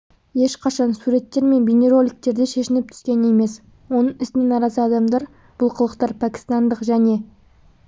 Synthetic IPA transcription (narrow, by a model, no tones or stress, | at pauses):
je̞ʃqʰɑʃɑnsuɾe̞t̪ːe̞ɾme̞nbʲene̞ɾo̞lʲik̚t̪e̞ɾd̪eʃe̞ʃɪnɪp̚t̪ʰʏ̥skʲe̞ne̞me̞s | wo̞nəɴɪsɪnenɑɾɑzəɑd̪ɑmd̪ɑɾ | b̥ʊlˠqʰəlˠəqt̪ɑɾpʰækʲɪ̥st̪ɑnd̪əqʒæne̞